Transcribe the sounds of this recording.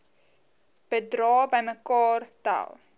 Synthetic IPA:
b̥ədrɑːbəjməkɑːrta̰lˠ

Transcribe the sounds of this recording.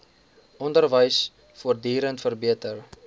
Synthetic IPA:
ɔndərvəjs | fuərdiːɾəntfərbiətər

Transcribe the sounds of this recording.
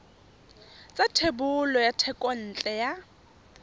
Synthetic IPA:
t͡sʼatʰebʊlɔjatʰɛkʼɔn̩ːt͡ɬʼɛja

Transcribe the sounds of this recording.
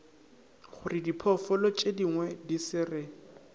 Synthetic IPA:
χʊrɪdipʰɔfɔlɔt͡ʃʼediŋwɛdisɪrɪ

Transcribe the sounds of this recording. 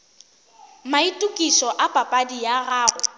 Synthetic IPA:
maitʼukʼiʃɔʔapʼapʼadijaɣaːrʊ

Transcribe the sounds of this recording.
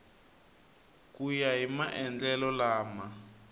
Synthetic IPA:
k̬ʼujaɦimaʔɛnd͡ɮɛlɔlaːma

